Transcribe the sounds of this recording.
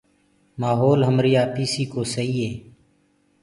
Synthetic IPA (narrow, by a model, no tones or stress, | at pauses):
maːɦoːlɦəmɾijaːpiːsiːkoːsəiːɦeː